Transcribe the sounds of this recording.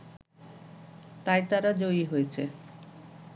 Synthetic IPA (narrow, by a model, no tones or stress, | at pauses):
t̪ajt̪aɾad͡ʑoiɦojet͡ɕʰe